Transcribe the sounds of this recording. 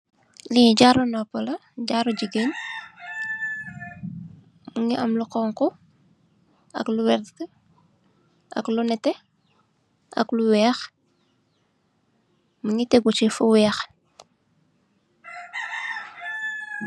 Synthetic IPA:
liɟaɾunɔpːɔlɐɟaɾuɟiɡeɲ | muŋiʔɐmluqɔːŋkɔ | ɐ̰kluwɛɾtkə | ʔɐ̰klunɛtɛ | ʔɐ̰kluwɛːx | muŋitɛɡut͡ʃifuwɛːx

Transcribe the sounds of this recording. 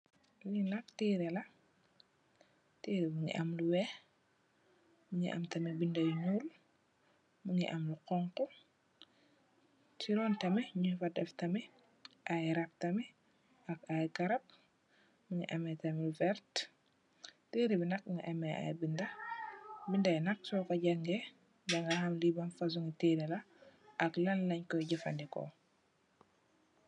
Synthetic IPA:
linɐktiːɾɛlɐ | tiːɾimuɲḭʔɐmluwɛ | muɲiʔɐ̰mtɐmɛbindɐjɲuːl | muɲḭʔɐmluqɔŋkɔ | tiɾɔːntɐmɛɲufɐdɛftɐmɛ | ʔajɾɐp̚tɐmɛ | ɐkajkɐɾɐp̚ | muŋḭʔɐmɛtɐmlufɛɾt | teɾibinɐk̚ŋɡɐ̰ʔɐmɛa̰jbindɐ | bindɐjnɐk̚sɔːkɐɟɐŋɡɛ | ɟɐŋɡɐhɐmlibɐnfɐs̬uŋitelɛlɐ | ɐklɐnlɐɲkɔjɟɐfandikɔ̰

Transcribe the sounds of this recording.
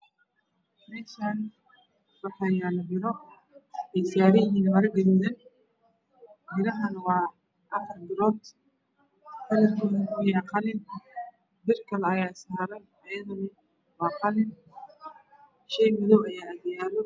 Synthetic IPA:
ɪt̪an | wɑħɑjaːlɐbɪɾɔ | ɛjsaːɾɪjɪɦiːnmɐɾɐɡɐɾɪðɐn | bɪɾɐɦɐnwɑː | ʔɐfɐrbɪɾɔːt̪ | t̪ʰɐlɐt̪ʰuʊnɪjɑqɑlɪn | bɪrkʰɐlɛɐjaːsaːɾɐn | ɐjɐðʊnɪ | wɑːqɑlɪn | ʃɛjmɪðɔwɐjaːɐd̪jaːlɔ

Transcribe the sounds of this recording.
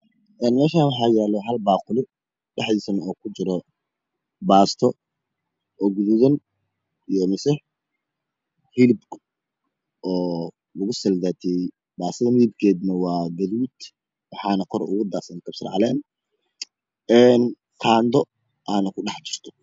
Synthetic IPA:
ʔɛːnmɛːʃaːwɑħɑːjɛːlɔɦɐlbaːqʊlɪ | ɖɛħiːsɐnɔːkʰʊt͡ʃɪɾɔ | baːst̪ʰɔ | ɔɡʊðʊðɐn | ijɔmɪsɛ | hilbk | ɔː | lʊɣʊsɐlɡaːt̪ʰijɛj | baːsɐðɐmibkʰɛːd̪nɐwɑːɡɐðuːd̪ | wɑħɑːnɐkʰɔɾʊɣuːd̪aːsɐnkʰɐb̥sɪrʕɑlɛːn | ɛːn | kʰaːnd̪ɔ | ʔaːnɐkʰʊɑħt͡ʃɪrt̪ʰɔ̥

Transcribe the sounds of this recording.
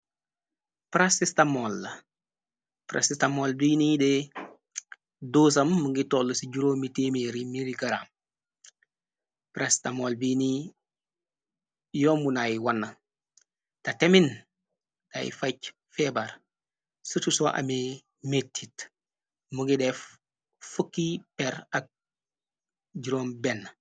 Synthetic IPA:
pɾasistamol | pɾʔa̰sistamolbinide | doːs̬ɐmːuɡitolːsiɟuɾoːmitemeɾimiɾiɡaɾa̰m | pɾastamolbini | joːmbunajiwanːa | tatemin | ta̰jḭfac | febaɾ | sutusoʔa̰me | metʰːit | muŋɡidef | fukːipeɾak̚ | ɟuɾoːmbenː

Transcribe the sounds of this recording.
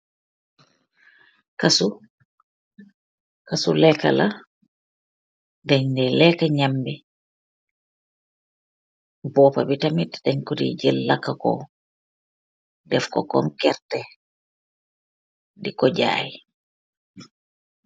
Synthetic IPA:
kasu | kasulɛka̰la | dɛɲdɛlɛkaɲambɛ | bɔpa̰bitamitɗɛɲkudḭd͡ʒɛlːakːakɔ̰ | dɛfkɔ̰kɔ̰nkɛɾtɛ | dikɔd͡ʒa̰ji

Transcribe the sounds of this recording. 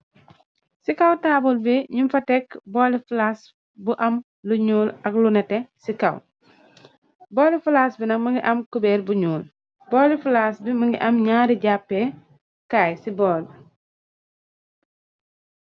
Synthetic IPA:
sikɐwtaːbulbiɲumfɐtɛkbɔːlifulas | buʔɐm | luɲuːlɐklunɛtɛsikɐw | bɔːlifulasbinɐkmɐŋɡiʔɐmkubɛːɾbuɲuːl | bɔːlifulaːsbimɐŋɡiʔɐmɲaːɾiɟapːɛ | kaːjsibɔːl

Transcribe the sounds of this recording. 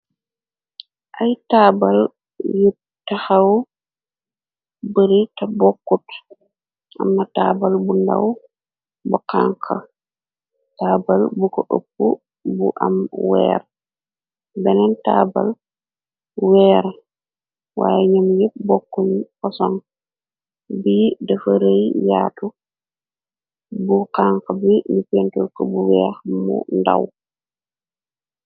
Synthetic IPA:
ʔajtaːbal | ju | tahaw | bəɾitabɔkːɔt | ʔa̰mːataːbalbunda̰w | bɔkaŋkʰa̰ | taːbalbukɔʔo̰pːu | bṵʔa̰mwɛ̰ːɾa | bɛnɛntaːbal | wɛːɾa | wa̰jɛɲamjɛbɔkːoɲkɔsɔn | biːdɛfaɾejjaːtu | bukaŋkabimipentulkɔbuwɛhamɔ̰nda̰w

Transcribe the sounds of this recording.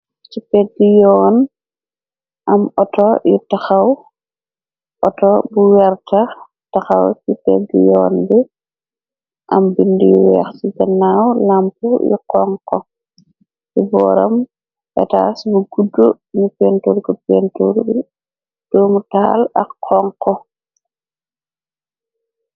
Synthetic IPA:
t͡ʃipɛɡijɔːn | ʔɐmɔtɔjutaxɐw | ʔɔtɔbuwɛɾtɐ | tɐxɐwt͡ʃipɛɡijɔːnbɛ | ʔɐmbindijuwɛːxsiɡɐnːaːwlampujḭqɔŋkɔ | jibɔ̰ːɾɐm | ʔɛ̰ta̰ːsbuɡudːu | nupɛːntoːɾkɔpɛːntoɾb | d̥ɔmutaːlɐkːɔŋkːɔ

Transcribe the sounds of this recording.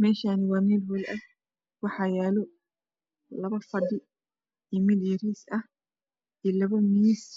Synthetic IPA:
mɛːʃaːnɪwɑːmɛːlwɔlʔɐ | wɑħɑjɛːlɔ | lɐβɐfɐɖɪ | imɪljɐɾiːsɐh | ʔiːlɐβɐmiːs

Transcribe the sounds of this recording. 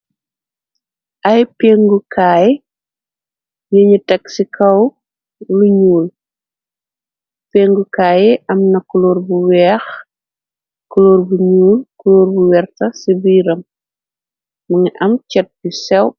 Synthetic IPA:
ʔɐjpeːŋɡukaːji | jəɲutɛksikʰɐw | luɲuːl | peːŋɡukaːjiʔɐmnɐkuloːrbuwɛːx | kuloːrbuɲuːlkuloːrbuwɛrtɐsibiiɾɐm | mɐŋʔɐmcɛt̚busɛw

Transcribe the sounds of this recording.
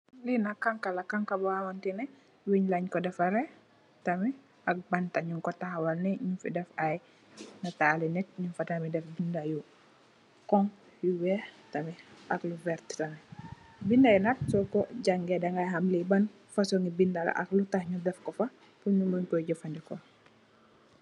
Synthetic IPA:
linakaŋkalakaŋkabaamantinɛ | wiɲlaɲkɔdɛfaɾɛ | tɐmi | ɐk̚bantaɲuŋkɔtahwalnɛɲufidɛfaj | natalinɛt̚ɲunfatamidɛfbindaju | kɔŋ | juwɛtɐmiɐkluvɛɾttɐmi | bindajunat̚sɔkɔɟaŋɡɛdɐŋɡajɦamliban | fasoŋɡibindala̰ʔɐ̰klutahɲudɛfkɔfɐ | puɲumuɲkɔɟɔfandikɔ

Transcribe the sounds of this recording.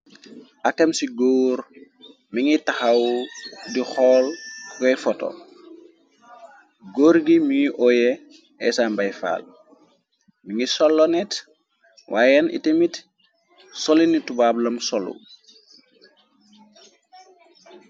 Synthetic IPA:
ʔakːɐmsiɡoːɾ | miŋitaxawdixɔːlkɛjfɔtɔ̰ | ɡoːɾɡimiiʔɔjɛ | ɛsambajfa̰ːl | miŋisɔlːɔnɛt | wʔaːjɛnḭtemit | sɔlinitubaːblɐmsɔlṵ

